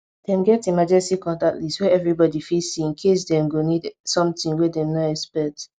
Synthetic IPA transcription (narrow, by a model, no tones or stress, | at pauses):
d̥ɛ̃mɡɛtimad͡ʒɛstikɔ̃ntatliswɛɛvɹibɔdifisiĩnkʰes̬dɛ̃mɡonidsɔ̃mtĩŋwɛdɛ̃mnaɛkspɛk̚t